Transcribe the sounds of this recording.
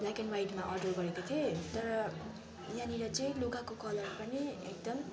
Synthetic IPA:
blakenwajʈmaʔʌrɖʌrɡʌɾekot̪ʰiot̪ʌɾʌ | janiɾʌt͡sʌĩloɡakokʌlʌrpʌniek̚d̪ʌm

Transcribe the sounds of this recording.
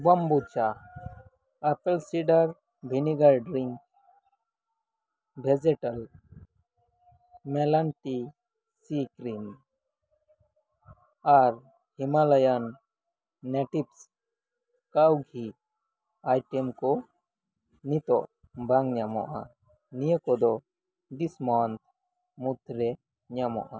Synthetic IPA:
bɔmbut͡ʃa | apɛlsiɖaɾ | bʱiniɡalɖɾiŋk̚ | bʱɛd͡ʒɛʈal | mɛlanʈi | sikɾim | aɾ | himalajanː | ɛʈips | kawɡʱi | ajʈɛmkɔ | nit̪ɔʔ | baŋɲamɔ̰ʔa̰ | nijəkɔd̪ɔ | ɖismant̪̚ | mut̪ɾɛ | ɲamɔ̰ʔa

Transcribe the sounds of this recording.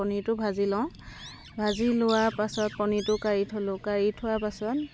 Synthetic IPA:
ɔnitʊbʱazilɔ̃ʊ̃ | bʱazilʊwaɹpasɔt̚pɔnitʊkaɹitʰolʊ̃kaɹitʰʊwapasɔt

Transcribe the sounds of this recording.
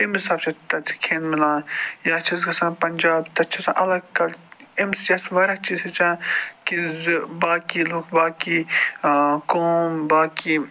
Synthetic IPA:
tɪmisaːbt͡ʃʰɐt̪ɐt͡sʰi̥kʰeːnmɪlãːjaːt͡ʃʰɐzɡɐsãːnpɐnʲd͡ʒaːbt̪ɐt͡ʃʰɐsã̰ːʔɐlɐɡkɐlemsjɐsʋɐɾɐt͡ʃiːzɐt͡ʃãːkizbaːkiːloːkʰbaːkiː | koːmbaːkiː

